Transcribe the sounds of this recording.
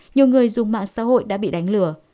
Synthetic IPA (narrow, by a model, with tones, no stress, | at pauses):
ɲi˨˩əwŋɨ˨˩əjzʊ˨˩ŋ͡mma̰ː˧˨ŋsa̰ː˧˥ho̰˧˨jɗa̰ː˧˥ɓḭ˧˨ɗa˨˦jŋ̟lɨ˧˩ə